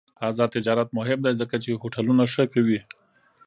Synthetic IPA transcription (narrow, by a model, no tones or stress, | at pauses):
azɑt̪ɪd͡ʒɑɾat̪̚mʊɦɪmd̪ajzəkat͡ʃehoʈʰalunaʂəkawi